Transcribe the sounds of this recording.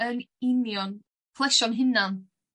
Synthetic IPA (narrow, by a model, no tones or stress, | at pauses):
ənɪnjɔn | pʰlˠɛʃɔnɦɪnan